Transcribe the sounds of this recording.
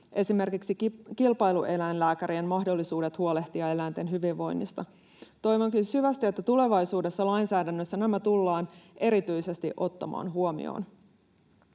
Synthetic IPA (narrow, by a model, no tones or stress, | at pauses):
ʔe̞sime̞rkiksikilpɑjluʔe̞lænlæːkæɾienmɑɦdo̞lːisuːde̞t̪huole̞ht̪iɑe̞læjnt̪e̞nɦyʋiʋːo̞jnːḭst̪ɑ | t̪o̞jʋoŋkysyʋæst̪ie̞t̪ːæt̪ule̞ʋɑjsuːde̞sːɑlɑjnsæːdænːøsːænæmæt̪ulːɑːnʔe̞ɾit̪yjse̞st̪ḭʔo̞t̪ːɑmɑ̰ːnɦuomḭo̰ːn